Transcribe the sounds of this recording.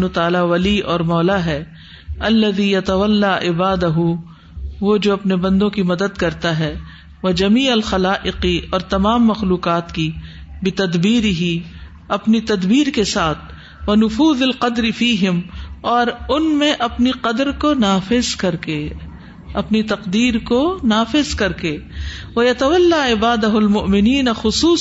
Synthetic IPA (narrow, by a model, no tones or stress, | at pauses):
nut̪aːlaʋɐliɔːɾmɔːlaɦɛ | ɐlːɐðijɐt̪ɐʋɐlːaʔɪbaːd̪ɐɦu | ʋod͡ʒoːɐpnebɐ̃nd̪õkimɐd̪əd̪kɐɾt̪aɦɛ | ʋɐd͡ʒɐmiːɐlxɐlaːʔɪqiɔːɾt̪ɐmaːmːɐxluːqaːt̪kibɪt̪ɐd̪biːɾɪɦi | ɐpnit̪ɐd̪biːɾkesaːt̪ʰ | ʋɐnʊfuːzɐlqɐd̪ɾɪfiːɦɪmɔːɾʊnmẽʔɐpniqɐd̪ɾkonaːfɪzkɐɾke | ɐpnit̪ɐqd̪iːɾkonaːfɪzkɐɾkeʋɐjɐt̪ɐʋɐlːaɪbaːd̪ɐɦɐlmʊʔmɪniːnɐxʊsuː